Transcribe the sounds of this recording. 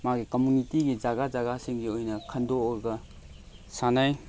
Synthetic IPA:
maɡikomunitiɡid͡ʒaɡazaɡasiŋɡiojnɐkʰɐndoːɾɡɐ | sanaj

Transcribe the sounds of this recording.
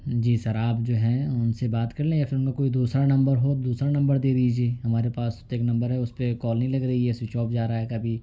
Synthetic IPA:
d͡ʒiːsɐɾaːpd͡ʒoːɦɛ̃ʊnsebaːt̪kɐɾlẽjaːfɪlmmẽkoːid̪uːsɾanɐ̃mbəɾɦoːd̪uːsɾanɐ̃mbəɾd̪eːd̪iːd͡ʒieːɦɐmaːɾepaːst̪eːknɐ̃mbəɾɦɛʊspekɔːlnɐɦĩlɐɡɾɐɦiɦɛsit͡ʃɔːp̚d͡ʒaːɾaaɛkɐbʱiː

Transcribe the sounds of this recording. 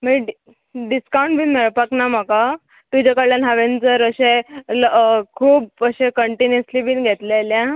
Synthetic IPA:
mi | ɖiskaw̃ɳʈbʱiːnmeɭpaknam̤aka | t̪ud͡ʑakəɭjanɦaʋent͡səɾəɕẽlkʰuːp̚əɕẽkəɳʈinjəslibʱiːnɡʱet̪laljã

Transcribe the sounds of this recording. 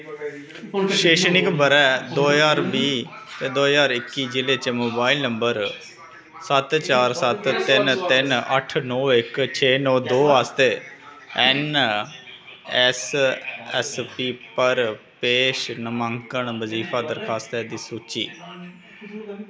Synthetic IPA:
ʃeːʃnɪkbəɾɛːd̪oːjaːɾbiː | t̪eːd̪oːjaːɾɪkːiːd͡ʒɪleːt͡ʃemoːbaːilnəmbəɾ | sət̪t͡ʃaːɾsət̪t̪ɪnt̪ɪnə̰ʈʰnɔːɪkt͡ʃʰeːnɔːd̪oːaːst̪eː | ɛːn | ɛs | ɛ̰spiːpəɾ | peːʃnəmaŋkəɳʋəziːpʰaːd̪əɾkʰaːst̪ɛːd̪iːsuːt͡ʃḭː

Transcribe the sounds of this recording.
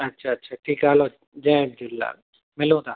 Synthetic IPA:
ɐtːʃʰatːʃʰaʈʰiːkaːlo | d͡ʒɛ̃d̪ulːa̰ | mɪlõt̪aː

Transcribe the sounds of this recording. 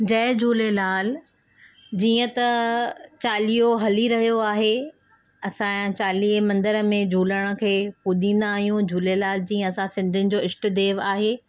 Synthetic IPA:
d͡ʑɐːd͡ʑʱuːlelaːl | d͡ʑiːə̃t̪ɐt͡ɕaːlijoɦɐliɾɐɦijoaːɦe | ɐsãt͡ɕaːliːmɐ̃nd̪əɾə̆mẽd͡ʑʱuːləɽ̃ə̆kʰeːpuɗ̪ĩːn̆d̪aːɦijũd͡ʑʱuːlelaːld͡ʑiːə̃ɐsãsɪ̃nd̪ʱɪnɪ̆d͡ʑoːɪsʈ̆d̪eːʋaːɦeː

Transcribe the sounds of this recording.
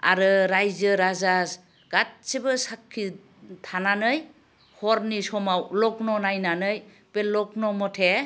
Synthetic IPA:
a̰ɾɯɾajzɯɾazas | ɡ̥at̚sebɯsakʰːi | tʰananɯj | hɔɾnisɔmawlɔk̚nɔnajnanɯj | belɔk̚nɔmɔtʰe

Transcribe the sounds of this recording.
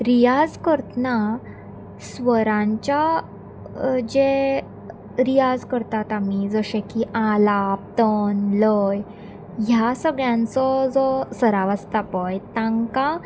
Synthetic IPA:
ɾijad͡zkəɾt̪na | sʋəɾãɲt͡ɕja | d͡ʑe | ɾijad͡zkəɾt̪at̪amid͡zəɕẽkiʔalap̚t̪ənləj | ɦjasəɡɭjãnt͡sɔd͡zɔsəɾaʋəst̪apɔjt̪ãŋka

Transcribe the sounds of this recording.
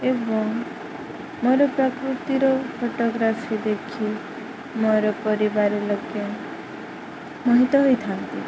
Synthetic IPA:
ebɔŋ | moɾɔpɾɔkɾut̪iɾɔpʰoʈoɡɾafid̪ekʰi | moɾɔpɔɾibaɾeloɡe | mɔɦit̪ɔɦojt̪ʰant̪i

